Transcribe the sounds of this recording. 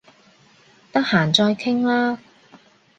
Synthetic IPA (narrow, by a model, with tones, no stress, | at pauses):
t̪ɐ˥k̚haː˨˩nt͡sɔː˧jkʰɪ˥ŋlaː˥